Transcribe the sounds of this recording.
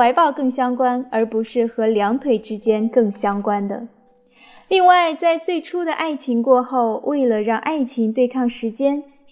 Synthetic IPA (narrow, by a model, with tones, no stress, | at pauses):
a˧˥ɪpɑ˥˧ʊkɤ˥˩ŋɕjɑ˥ŋkwa˥nə˞˧˥pu˧˥ʂɻ̩˥˩xɤ˧˥ljɑ˧˥ŋt̪ʰwe˨˩ɪʈ͡ʂɻ̩˥t͡ɕjɛ˥nkɤ˥˩ŋɕjɑ˥ŋkwa˥nd̪ə̰˨˩ | li˥˧ŋwa˥˧ɪt͡sa˥˧ɪt͡swe˥˩ɪʈ͡ʂʰu˥d̪ə˨ʔa˥˩ɪt͡ɕʰi˧˥ŋkwɔ˥˧xo˥˧ʊwe˥˩ɪlə˩ɻɑ˥˧ŋʔa˥˩ɪt͡ɕʰi˧˥ŋt̪we˥˧ɪkʰɑ˥˩ŋʂɻ̩˧˥t͡ɕjɛ˥n